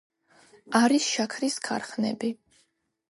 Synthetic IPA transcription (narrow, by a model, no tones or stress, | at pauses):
aɾisʃakʰɾiskʰa̰ɾχnɛ̰bi